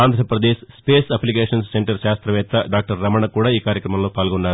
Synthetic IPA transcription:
aːnd̪ʱɾɐpɾɐd̪eːʃspeːsɐplikeːʂɐnsseɳʈɐɾʃaːst̪ɾɐʋɛːt̪ːɐɖaːk̚ʈɐɾːɐmɐɳɐkuːɽaːiːkaːɾjɐkɾɐmɐmlo̞ːpaːlɡoɳɖaːɾu

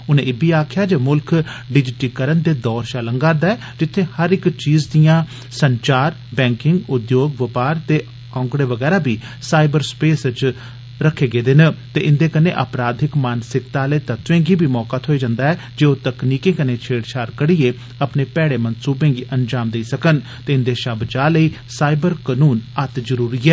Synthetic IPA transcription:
ʊnẽːɪbʱiːaːkʰjaːd͡ʒeːmʊlkɖɪd͡ʒɪʈiːkəɾənd̪eːd̪ɔːɾt͡ʃaləŋɡaɾd̪aːɛː | d͡ʒɪt̪ʰːẽːhəɾɪkt͡ʃiːzd̪ijãː | səɲt͡ʃaːɾ | bɛ̃ːŋkɪŋɡʊd̪joːɡʋəpaːɾt̪eː | ãʊŋkɽeːʋəɡɛːɾaːbʱiː | saːɪbəɾspeːst͡ʃ | ɾəkʰːeːɡeːd̪ɪnt̪eːʔɪnd̪eːkənḛ̃ːʔəpɾaːd̪ʱɪkmaːnsɪkt̪aːləeːt̪ət̪ʋẽːɡiːbʱiːmɔːkaːt̪ʰoːid͡ʒãːnd̪aːɛː | d͡ʒeːoːt̪əkniːkẽːkənẽːt͡ʃʰeːɽt͡ʃʰaːɾkəɽieː | əpneːpɛːɽeːmənsuːbẽːɡiːʔənd͡ʒaːmd̪eiːsəkən | t̪eːɪnd̪eːʃəbd͡ʒaːləiː | saːɪbəɾkənuːnət̪zəɾuːɾiːɛː

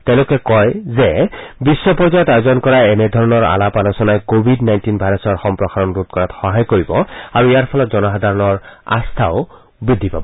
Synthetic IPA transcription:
tɛ̃ʊ̃lʊkɛkɔjzɛbisːɔpɔɹzajɔtajzɔnkɔɹaɛnɛdʱɔɹɔnɔɹa̰lapanɔsɔnajkobʱidnajntinbʱajɹɔsɔɹxɔmpɹɔxaɹɔnɹut̪̚kɔɹatxɔɦajkoɹibɔaɹuijaɹpʰɔlɔtzɔnɔxad̪ʱaɹɔnɔɹa̰st̪ʰaʊ | bɹidʱːipabɔ

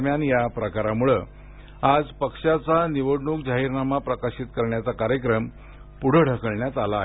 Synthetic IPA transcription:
mjanjapɾəkaɾamuɭə | ad͡zpəkʂat͡saniʋəɽɳuːk̚d͡ʑaɦiːɾnamapɾəkaɕit̪kəɾɳjat͡sakaɾjəkɾəm | puɽ̤əɽ̤ʱəkəɭɳjat̪alaɦe

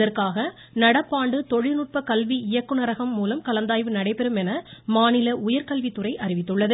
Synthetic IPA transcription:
ðɐrkaːɣɐ | nɐɽɐpːaːɳɖɯt̪ɔɻɪnɯʈ̚pɐkɐlʋiɪjɐkːɯnɐɾɐɣɐmːuːlɐmkɐlɐnd̪aːjʋɯnɐɽɐɪpɛɾɯmɛnɐmaːnɪlɐʊjɐɾkɐlʋit̪ːɯrɐɪʔɐɾɪʋɪt̪ːɯɭːɐðɯ

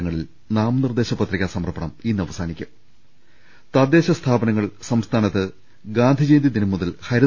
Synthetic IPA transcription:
ɐŋːɐɭil | naːmnird̪e̞ːɕɐpːɐt̪ːriɣʲɐsɐmɐrpːɐɳɐminːɨɐʋɐsaːnikʲːu | t̪ɐd̪ːe̞ːɕɐst̪ʰaːbɐnɐŋːɐɭsɐmst̪ʰaːnɐt̪ːɨ | ɡaːnd̪ʱid͡ʑejnd̪id̪inɐmːuðɐlhɐjɾɐ

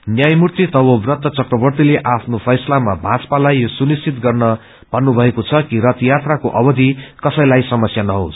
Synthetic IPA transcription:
njajmurt̪it̪ʌbʌbrʌt̪ːʌt͡sʌkrʌbʌrt̪ileʔapʰnopʰʌjsʌlamabʱat͡spalajːosunist͡sit̪ɡʌrnʌ | bʱʌnːubʱʌekot͡sʰʌkiɾʌt̪jat̪rakoʔʌbʌd̪ʱikʌsʌjlajsʌmʌsjanʌɦo̰s

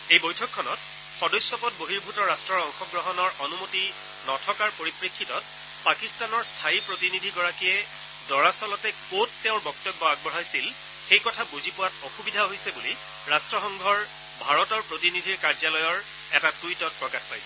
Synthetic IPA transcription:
ejbojtʰɔkʰːɔnɔt̚ | xɔdɔjsjɔpɔt̚boɦiɹbʱutɔɹastɹɔɹɔŋxɔɡɹɔɦɔnɔɹɔnumoti | nɔtʰɔkaɹpoɹipɹikʰːitɔt̚ | pakistanɔɹstʰaipɹotinidʱiɡɔɹakiɛ | dɔɹasɔlɔtɛkotːɛʊ̃ɹbɔk̚tɔbːɔaɡ̚bɔɦajsil | xejkɔtʰabuzipʊwatoxubidʱaɦojsɛbuli | ɹastɹɔxɔŋɡʱɔɹ | bʱaɹɔtɔɹpɹotinidʱiɹkaɹzalɔjɔɹ | ɛtatujtɔt̚pɹɔkatʰpajsɛ

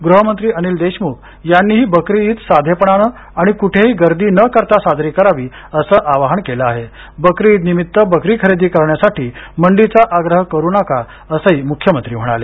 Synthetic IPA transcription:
ɡɾuɦəmənt̪ɾiːəniːld̪eɕmuːk̚ | janːiːɦiːbəkɾiiːt̪sad̪ʱepəɳ̃anə | aɽ̃ikuʈʰeɦiːɡəɾd̪iːnəkəɾt̪asad̪ʱɾikəɾaʋiː | əsəːʔaʋaɦəɳkeləaɦe | bəkɾiiːt̪nimit̪ːəbəkɾiːkʰəɾed̪iːkəɾɳjasaʈiːməɳɖit͡saʔaɡɾəɦəkəɾuːnaka | əsəɦiːmukʰjəmənt̪ɾiːm̤əɽ̃a̰le

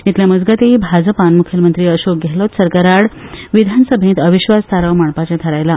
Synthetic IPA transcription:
it̪ljaməd͡zɡat̪eibʱad͡zəpanmukʰjəmənt̪ɾiːəɕok̚ɡʱelot̪səɾkaɾaɽʋid̪ʱansəbʱẽt̪əʋiɕʋast̪ʰaɾəwmaɳpat͡ɕat̪ʰəɾajla

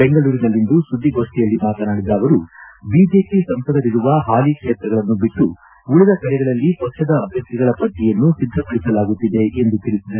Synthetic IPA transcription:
beŋɡɐɭuːɾinɐlːind̪usud̪ʱːiɡo̞ːʂʈɛjɐlːimaːt̪ɐnaːɽid̪ːaːʋɐɾubiːd͡ʒe̞ːpisɐmpɐd̪ɐɾiɾuʋɐɦaːlikʂeːt̪ɾɐɡɐɭɐnːubiʈːu | uɭid̪ɐkɐɭɛɡɐɭɐlːipɐkʂɐd̪ɐːbʱjɐkt̪iɡɐɭɐpɐʈːijɐnːusid̪ːɾɐpɐɭisɐlaːɡut̪ːid̪e̞ʔend̪ut̪iɭisid̪ɐ

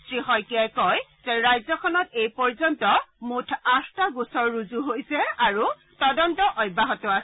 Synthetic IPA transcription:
tɹiɦɔjkijajkɔjz̥eɹajzɔkʰɔnɔtejpɔɹzɔntɔmutʰastaɡusɔɹːuzuɦojsɛaɹu | tɔdɔntɔʔɔjbʱaɦɔtɔas

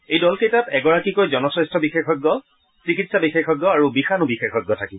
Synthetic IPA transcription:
ejdɔlkejtatɛɡɔɹakikojzɔnɔsɹɛstʰɔbixexɔɡːɔ | sikitsabixexɔɡːɔaɹubixanubixexɔɡːɔtʰakiɔ

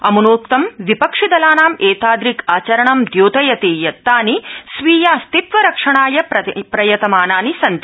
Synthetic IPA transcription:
ɐmunoːkt̪ɐmʋipɐkʂid̪ɐlaːnaːmeːt̪aːd̪ɾikaːt͡ʃɐɾɐɳɐmd̪joːt̪ɐjɐt̪eːjɐt̪ːaːnisʋiːjaːst̪it̪ʋɐɾɐkʂɐɳaːjɐpɐpɾɐjɐt̪ɐmaːnaːnisɐnt̪i

